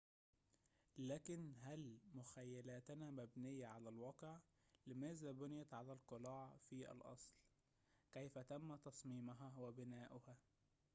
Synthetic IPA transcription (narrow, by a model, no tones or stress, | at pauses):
læːkɪnɦælmʊxæjːælæːt̪næmæbnɪjːæʕalælwɑːqʕ | lɪmæːzæbʊnɪjæt̪ʕalælqɨlɑːʕfiʔæ̰lʔɑ̰sˤl | kæjfæt̪æmːæt̪ɑsˤmiːmʊɦæwæbɪnæːʔʊhæː